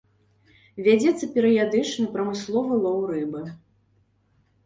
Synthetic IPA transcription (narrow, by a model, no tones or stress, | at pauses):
vʲad͡zʲɛt̪sːɐpʲɛɾɨjad̪ɨt͡ʂnɐpɾɐmɨslˠɔvɐlˠɔwɾɨbɨ